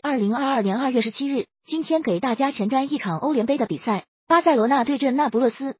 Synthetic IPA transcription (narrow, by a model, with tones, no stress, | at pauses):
ɐ˥˩li˧˥ŋa˥˧ɐ˥˩ljɛ˧˥nɐ˥˧ɥɛ˥˩ʂɻ̩˧˥t͡ɕʰi˥ɻ̩˥˩ | t͡ɕi˥nt̪ʰjɛ˥nke˨˩ɪt̪a˥˩t͡ɕja˥t͡ɕʰjɛ˧˥nʈ͡ʂa˥ni˥˩ʈ͡ʂʰɑ˨˩ŋʔo˥ʊljɛ˧˥npe˥d̪ə˨pḭ˨˩sa˥˩ɪ | pa˥sa˥˩ɪwɔ˧˥na˥˧t̪we˥˧ɪʈ͡ʂə˥˩nna˥˩pu˧˥lwɤ˥˩sɹ̩˥